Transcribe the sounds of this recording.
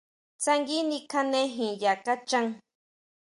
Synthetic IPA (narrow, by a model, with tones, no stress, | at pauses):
t͡sa˧ŋɡi˦ni˧kʰa˧nẽ˦ɦĩ˨ja˨ka˦t͡ʃa˦ŋ